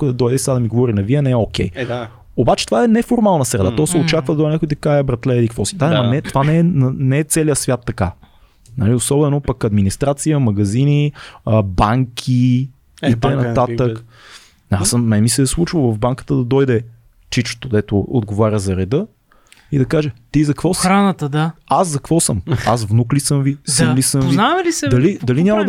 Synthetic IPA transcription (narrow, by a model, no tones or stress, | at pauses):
kd̪ɐd̪ɔjd̪ɛisɛɡ̪ad̪ɐmiɡovɔɾinɐviənɛɛokɛj | obat͡ʃɛ̥t̪ovaɛnɛfoɾmalˠnəsɾɛd̪at̪ɔsɛot͡ʃakvəd̪ɐd̪ɔjnakojt̪ɐkaɛbɾɐt̪lɛɛlikvɔsi̥d̪amɐnɛt̪ovanɛɛnɐnɛɛt̪sɛlijəsvʲjat̪ːɐka | nɐliosɔbɛnopɐkɐd̪minist̪ɾat̪sijəmɐɡɐzini | baŋkʲʰi | it̪əjnɐat̪ək̪ | asəmmɛmisɛslˠut͡ʃvəlˠvɐvbaŋkə̥t̪əd̪ɐd̪ɔjd̪ɛ | t͡ʃit͡ʃt̪od̪ɛt̪oo̰d̪ɡovaɾʲjəzɐɾɛd̪ɤ | id̪ɐkaʒɛt̪izɐkvɔsɾanət̪əd̪aaszɐkvɔsɤmasvnuklisəmvisimlisəmvinamlisd̪ɐlid̪ɐlinʲamɐd̪